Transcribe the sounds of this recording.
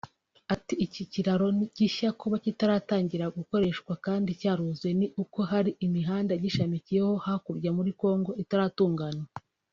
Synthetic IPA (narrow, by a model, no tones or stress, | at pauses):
atiiciciɾaɾo̞niɟiçakuβacitaɾaːtaːɲɟiɾaɡuko̞ɾe̞ːʃkwakaːndicaːɾuzweniʔuko̞ɦaɾiʔimiɦaːndaɟiʃamicijeho̞hakubɟamuɾiko̞ːŋɡo̞ʔitaɾaːtuːŋɡanwa